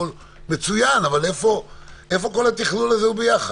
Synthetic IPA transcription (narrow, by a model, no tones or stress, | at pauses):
ol | met͡sujanavale̞fo̞e̞fo̞ko̞lhat̪iχlulazeubejaχa